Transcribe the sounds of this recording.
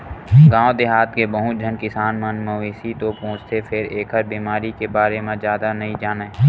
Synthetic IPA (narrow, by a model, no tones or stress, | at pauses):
ɡãːod̪ɪɦaːt̪kebəɦʊt͡ʃ̚d͡ʒʱənkɪsaːnmənməʋiːsit̪opõːt͡ʃt̪ʰepʰɪɾeːkʰəɾbiːmaːɾikebaːɾemẽzjaːd̪anɐɦĩd͡ʒaːne